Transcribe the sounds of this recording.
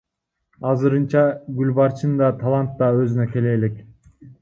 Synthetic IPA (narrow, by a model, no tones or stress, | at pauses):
ɑzɯɾɯnt͡ʃɑɡylʲbɑɾt͡ʃʰɯnd̪ɑt̪ʰɑlˠant̪ːɑø̞zynøke̞le̞ːlek